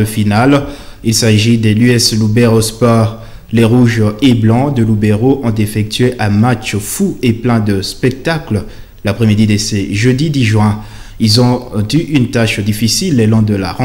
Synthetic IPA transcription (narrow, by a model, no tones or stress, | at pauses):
əfinal | ilsaʒid̪elyɛslubɛʁospɔʁ | leʁuʒeblɑ̃d̪əlubeʁoʔɔ̃t̪efɛk̚t̪ɥeʔɛ̃mat͡ʃfueplɛ̃d̪əspɛk̚t̪akl | lapχɛmid̪id̪eseʒəd̪id̪iʒwɛ̃ | ilzɔ̃t̪yʔynt̪aʃd̪ifisilːelɔ̃d̪əla̰ʁɑ̃